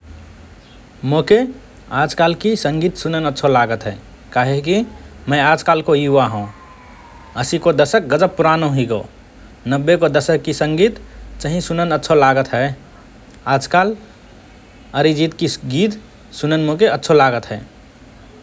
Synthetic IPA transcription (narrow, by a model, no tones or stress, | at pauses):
moke | aːd͡ʒkalkisə̃ŋɡiːt̪sunənətːʃʰolaɡət̪ɦɛː | kaɦekimə̃ɪaːd͡ʒkaːlkoiʋaɦũ | əsikod̪əsək̚ɡəd͡ʒəp̚pːuɾanoɦiɡo̰ | nəbːekod̪əsəkːisə̃ŋɡiːt̪t͡ʃəɦĩsunənətːʃʰolaːɡət̪ɦɛ | aːd͡ʒkaːl | əɾid͡ʒiːt̪kiɡiːt̪ | sunənmokeətːʃʰolaːɡət̪ɦɛː